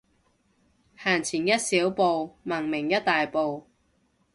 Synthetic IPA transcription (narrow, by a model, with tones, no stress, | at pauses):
haː˨˩nt͡sʰiː˨˩njɐ˥t̚siː˨˥wpo˨˧wmɐ˨˩ŋmɪ˨˩ŋjɐ˥t̚t̪aː˨jpo˨w